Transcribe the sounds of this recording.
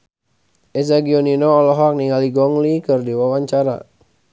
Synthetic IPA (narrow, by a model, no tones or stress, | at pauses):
ʔɛsaɡiɔninɔːlɔɦɔk̚niŋaliɡɔŋlikɨrdiwawaɲt͡ʃaɾa̰